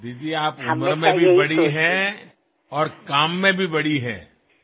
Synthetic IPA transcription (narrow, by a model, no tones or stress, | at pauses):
d̪iːd̪ieaːpʊməɾmẽbʱibɐɽiɦɛ̃ | ɔːɾkaːmːẽbʱibɐɽiɦɛ̰̃ː